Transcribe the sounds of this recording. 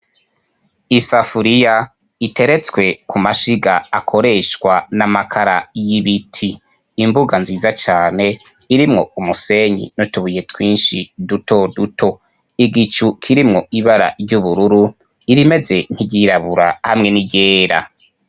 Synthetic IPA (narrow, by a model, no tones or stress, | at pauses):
isafuɾija | itʰe̞ɾe̞t͡swe̞kʰumaʃiɡaːkʰo̞ɾe̞ʃwanamakʰaɾajiβitʰiː | mbuɡanziːzat͡ʃaːne̞ | iɾimŋo̞umuse̞ɲḭnotuβuje̞twiːnʃidutʰo̞dutʰo̞ | iɡit͡ʃukʰiɾimŋo̞iβaɾa̰ɾjɟuβuɾuɾu | iɾime̞ze̞n̥iɟiɾaβuɾa̰hamŋe̞niɟeːɾa̰